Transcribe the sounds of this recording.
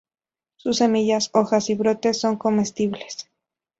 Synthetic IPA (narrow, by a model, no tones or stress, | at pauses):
susːe̞miʝaso̞xasiβɾo̞t̪e̞sːo̞ŋko̞me̞st̪iβle̞s